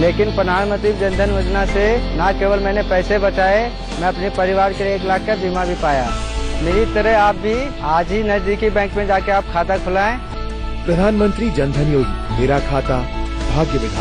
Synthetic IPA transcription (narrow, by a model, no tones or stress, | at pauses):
leːkɪnpɾəd̪ʱaːnmə̃nt̪ɾid͡ʒə̃nd̪ʱənjoːd͡ʒnasenakeːʋəlmɛ̃ːnepɛːsebət͡ʃaːe | mɛ̃ɐpnipəɾɪʋaːɾkeleːklaːkːabʱimabʱipaːjameːɾit̪əɾəɦaːp̚bʱi | ɦaːd͡ʒinɐzd̪iːkibɛ̃ːŋkmẽd͡ʒaːkeaːp̚kʰaːt̪akʰʊlaːẽ | pɾɐd̪ʱaːnmə̃nt̪ɾid͡ʒɐ̃nd̪ʱənjoːd͡ʒmeːɾakʰaːt̪abʱaːɡjəʋɪd̪ʱa̰ː